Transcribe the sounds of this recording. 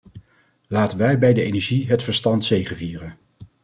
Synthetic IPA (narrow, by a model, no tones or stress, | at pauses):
laːtənʋɛjbɛjdəejnɛɹʒiɦətfəɹstɑntsejχəviːrən